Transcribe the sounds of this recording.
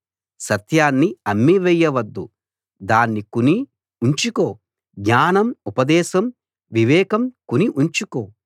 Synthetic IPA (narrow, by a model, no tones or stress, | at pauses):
sɐt̪ʰjaːnːiɐmːiʋɛjːɐʋɐd̪ːu | d̪aːnːikuni | uɲt͡ʃukoː | ɡɲaːnɐmupɐd̪ɛːʃɐm | ʋiʋɛːkɐmkuniʔuɲt͡ʃukoː